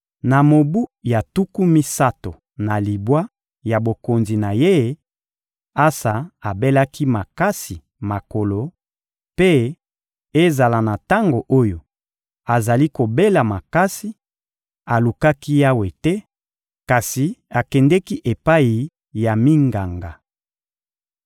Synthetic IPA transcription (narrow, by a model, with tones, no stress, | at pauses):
na˨mo˨bu˦ja˨tu˦ku˦mi˦sa˦to˨ | na˨li˨bwa˦ | ja˨bo˨ko˨nzi˨na˨je˦ | a˦sa˨a˨be˦la˦ki˦ma˨ka˦si˨ | ma˨ko˨lo˨ | pe˦ | e˦za˨la˨na˨ta˦ŋɡo˨ʔo˦jo˨ | a˨za˨li˦ko˨be˦la˨ma˨ka˦si˦ | a˨lu˨ka˦ki˦ja˦we˨tɛ˦ | ka˨si˨a˨kɛ˨ndɛ˦ki˦ʔe˨pa˦i˨ | ja˨mi˦ŋɡa˨ŋɡa˨